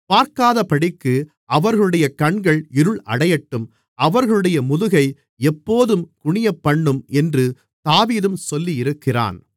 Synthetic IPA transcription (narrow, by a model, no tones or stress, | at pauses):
paːɾkaːðɐpɐɽɪkːɯ | ʔɐʋɐɾɣɐɭɯɽɐjɐkɐɳɡɐɭɪɾɯɭɐ̰ɽɐjɐʈːɯm | ɐʋɐɾɣɐɭɯɽɐjɐmʊðɯɣɐɪ | ɛpːoːðɯmkʊɳɪjɐpːɐɳːɯmɛndrɯ | t̪aːʋiːðɯmsɔlːiɪɾɯkːɪra̰ːn